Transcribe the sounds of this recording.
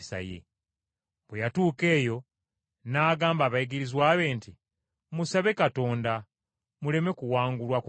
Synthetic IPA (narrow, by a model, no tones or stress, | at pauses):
sa̰jḛ | bwejatuːke̞ːjo̞ | naːɡaːmbaːβajiɡiɾizwaːβe̞ːnti | musaβe̞kato̞ːnda | mule̞me̞kuwaːŋɡulwaku